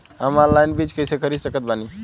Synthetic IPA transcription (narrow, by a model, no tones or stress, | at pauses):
əmaɾlajnbɾid͡ʒkəjsekəɾisəkət̪̚bʱani